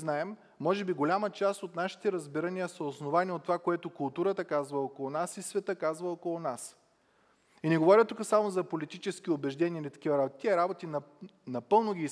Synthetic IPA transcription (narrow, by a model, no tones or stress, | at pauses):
znaɛmː | ɔʒɛbiɡolʲamət͡ʃast̪ot̪naʃi̥t̪ɛɾəzbiɾənʲijəsɐosnovaniot̪ːovakoɛt̪okʊlˠt̪uɾət̪əkazvəokolˠonasisvɛt̪əkazvəokolˠʊnas | inɛɡovɔɾʲət̪ukəsamozɐpolit̪it͡ʃɛsk̟ʲiobɛʒd̪ɛnʲiəilit̪ɐ̥kʲivɐɾabot̪it̪iɛɾabot̪innɐpɤlˠnoɡʲi